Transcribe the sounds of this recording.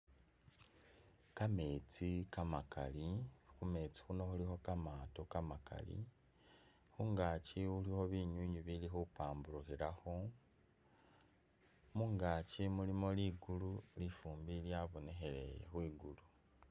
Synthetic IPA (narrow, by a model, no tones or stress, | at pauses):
kame̞ːt͡sikamaka̰lixume̞t͡si̥xuno̞xulixo̞kamaːtokamaka̰lḭ | xuŋɡaciulixo̞βiɲwiɲuβilixupaːmbuɾuxiɾaxo̞ | muŋɡaːcimulimo̞liɡululifuːmbiljaβo̞ne̞xe̞lejḛxwiːɡulu